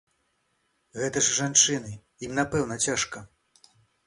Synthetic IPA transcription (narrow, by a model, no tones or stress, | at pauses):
ɣɛt̪ɐʐʐant͡ʂɨnɨ | imnapɛwnɐt͡sʲaʂkɐ